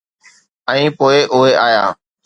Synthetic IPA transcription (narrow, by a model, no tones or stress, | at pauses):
ɛ̃ĩːpoːeʔʊɦeʔaːjaː